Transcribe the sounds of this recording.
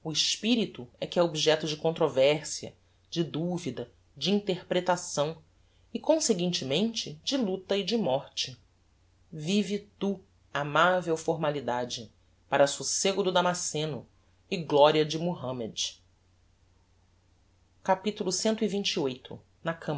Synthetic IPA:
uɪʃpiɾit̪ʊɛkɪɛobiʒɛt̪ʊd͡ʒɪkõnt̪ɾovɛɾsiɐ̰ | d͡ʒɪd̪uvid̪ɐ | d͡ʒɪĩnt̪eɾpɾet̪asɐ̃w̃ | ɪkõseɡĩnt͡ʃɪmẽnt͡ʃɪd͡ʒɪlut̪ɐid͡ʒɪmɔɾt͡ʃɪ | vivit̪u | amavewfoɾmalid̪ad͡ʒɪ | paɾɐsuseɡʊd̪ʊd̪amasẽnʊ | ɪɡlɔɾiɐd͡ʒɪmoɦɐ̃med͡ʒ | kapit̪ulʊsẽnt̪ʊivĩnt͡ʃiojt̪ʰʊ̰ | nɐkʰɐ̃m

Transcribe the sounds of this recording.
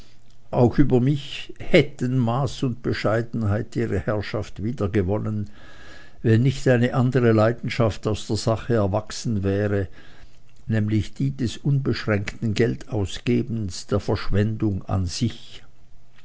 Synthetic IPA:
ʔaʊxʔyːbɐmɪçhɛtənmaːsʊnt̚b̥əʃaɪdn̩haɪtiːʁəhɛɐʃaftv̥iːdɐɡəvɔnən | vɛnːɪçtaɪnəʔandəʁəlaɪdn̩ʃaftaʊsd̥eːɐz̥aχəɛɐvaksn̩vɛːʁə | nɛːmlɪçd̥iːdɛsʔʊnbəʃʁ̥ɛŋktn̩ɡɛltʰaʊsɡ̥eːbən̩sd̥eːɐfɛɐʃv̥ɛndʊŋa̰nz̥ɪç

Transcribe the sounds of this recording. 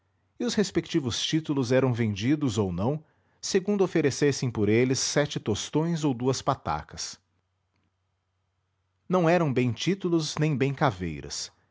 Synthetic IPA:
ɪʊshespekt͡ʃivʊst͡ʃit̪ulʊzɛɾɐ̃w̃vẽnd͡ʒid̪ʊzownɐ̃w̃ | seɡũnd̪ʊofeɾesesẽj̃poɾelɪsːɛt͡ʃɪt̪ost̪õj̃zowd̪uɐspat̪a̰kɐs | nɐ̃w̃ɛɾɐ̃w̃bẽj̃t͡ʃit̪ulʊznẽj̃bẽj̃kavḛjɾɐ̰s

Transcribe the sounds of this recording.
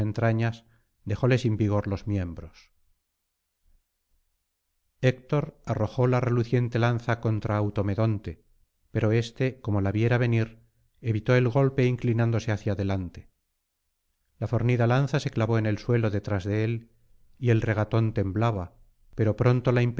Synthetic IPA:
ent̪ɾaɲas | d̪e̞xo̞le̞simbiɣ̞o̞ɾlo̞zmje̞mbɾo̞s | ek̚t̪o̞ɾaro̞xo̞lare̞luθje̞nt̪e̞lanθako̞nt̪ɾaːwt̪o̞me̞ðo̞nt̪e̞ | pe̞ɾo̞e̞st̪e̞ko̞mo̞laβje̞ɾaβe̞niɾ | e̞βit̪o̞e̞lɣo̞lpe̞iŋklinãnd̪o̞se̞aθjaðe̞lant̪e̞̥ | lafo̞ɾniðalan̟θase̞klaβo̞ene̞lswe̞lo̞ðe̞t̪ɾazðe̞el | ie̞lre̞ɣ̞at̪o̞nt̪e̞mblaβa | pe̞ɾo̞pɾo̞nt̪o̞laimp

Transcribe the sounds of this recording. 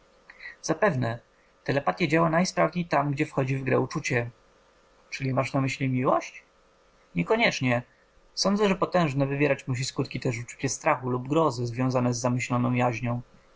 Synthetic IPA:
z̥apɛvnɛ | t̪ɛlɛpat̪ʲjɛd͡ʑawanajspɾavɲejt̪amɡd͡ʑɛfxɔd͡ʑivɡɾɛ̰ut͡ʂut͡ɕɛ | t͡ʂɘlʲimaʂnamɘɕlʲimʲiwɔɕt͡ɕ | ɲɛkɔɲɛt͡ʂɲɛ | sɔnd̪zɛʐɛpɔt̪ɛ̃w̃ʐnɛvɘvʲjɛɾat͡ɕmuɕ̬iskut̪̚kʲit̪ɛʂut͡ʂu̥t͡ɕɛst̪ɾaxulubɡɾɔzɘzvʲjɔ̃zanɛzːamɘɕlɔnɔ̃w̃jaʑɲɔ̃w̃

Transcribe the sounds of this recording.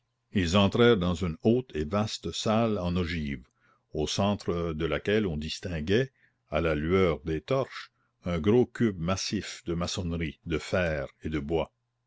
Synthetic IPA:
ilzɑ̃t̪ɾɛːʁd̪ɑ̃zynoːt̪ʰevast̪əsalɑ̃nɔʒiːv | oːsɑ̃ːt̪ɾəd̪əlakɛlɔ̃d̪ist̪ɛ̃ɡɛ | alalɥœːʁd̪eːt̪ɔʁʃ | œ̃ɡɾokybmasifd̪əmasɔnʁid̪əfɛːʁed̪əbwa

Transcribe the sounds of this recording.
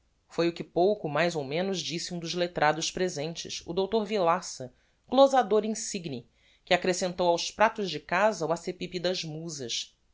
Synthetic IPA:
fojʊkɪpowkʊmajzowmẽnʊzd͡ʒisɪũd̪ʊzlet̪ɾʔad̪ʊʃpɾezẽnt͡ʃɪ̰sʊd̪owt̪oɾvilasɐ | ɡ̥lozad̪oɾĩsiɡni | kɪakɾesẽnt̪owawspɾat̪ʊzd͡ʒɪkazɐuasepipid̪ɐzmuzɐs

